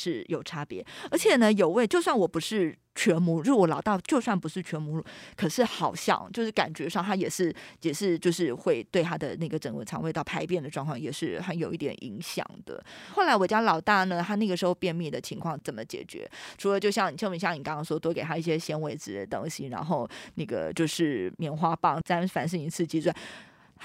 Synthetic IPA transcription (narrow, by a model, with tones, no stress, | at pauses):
ʂɻ̩˥˩jo˨˩ʊʈ͡ʂʰa˥pjɛ˧˥ə˞˧˥t͡ɕʰjɛ˨˩nə˦jo˨˩ʊwe˥˧ɪt͡ɕjo˥˧ʊswa˥˩nwɔ˨˩pu˧˥ʂɻ̩˥˩ | t͡ɕʰɥɛ˧˥nmu˧˥˩wɔ˧˥lɑ˨˩ʊt̪a˥˩t͡ɕjo˥˧ʊswa˥˩npu˧˥ʂɻ̩˥˩t͡ɕʰɥɛ˧˥nmu˧˥lu˥˩kʰə˨˩ʂɻ̩˥˩xɑ˨˩ʊɕjɑ̰˥˩ŋt͡ɕjo˥˧ʊʂɻ̩˥˩ka̰˨˩nt͡ɕɥɛ˧˥ʂɑ˥˩ŋt̪ʰa˥jɛ˨˩ʂɻ̩˥˩jɛ˨˩ʂɻ̩˥˧t͡ɕjo˥˧ʊʂɻ̩˥˧xwe˥˧ɪt̪we˥˩ɪt̪ʰa˥d̪ə̰˨na˥˩ɡə˩ʈ͡ʂə˨˩ŋkwə̰˧˥t͡sʰɑ˧˥ŋwe˥˧ɪt̪ɑ˥˩ʊpʰa˧˥ɪpjɛ˥˩nd̪ə˩ʈ͡ʂwɑ˥˧ŋkʰwɑ˥˩ŋjɛ˨˩ʂɻ̩˥˩xə˧˦njo˨˩ʊi˥˩t̪jɛ̰˨˩nʔḭ˧˥ŋɕjɑ̰˨˩ŋd̪̥ə̰˦xo˥˩la˧˥ɪwɔ˨˩t͡ɕja˥lɑ˨˩ʊt̪a˥˩nə˨t̪ʰa˥na˥˩ɡə˩ʂɻ̩˧˥xo˧ʊpjɛ˥˧nmji˥˩d̪ə˩t͡ɕʰi˧˥ŋkʰwɑ˥˩ŋt͡sə˨˩nmə˦t͡ɕjɛ̰˨˩t͡ɕɥɛ̰˧˥ʈ͡ʂʰu˧˥lə˧t͡ɕjo˥˧ʊɕjɑ˥˩ŋni˨˩t͡ɕʰɤ˥˧ŋmjɛ˧˥˩ɕjɑ˥˩ŋni˨˩kɑ˥ŋkɑ˥ŋʂwɔ˥t̪wɔ˥ke˨˩ɪt̪ʰa˥i˥˩ɕjɛ˥ɕjɛ˥nwe˧˥ɪt͡sɹ̩˧˩t̪ɤ˧˥ŋɕi˧˥ŋɻa̰˧˥nxo˥˧ʊna˥˩ɡə̰˩t͡ɕjo˥˧ʊʂɻ̩˥˩mjɛ˧˥˩nxwa˥pɑ˥˩ŋt͡sa˥nfa˨˩nʂ̬ɻ̩˥˩i˧˥t͡sʰɹ̩˥˧t͡ɕi˥swa˥˩n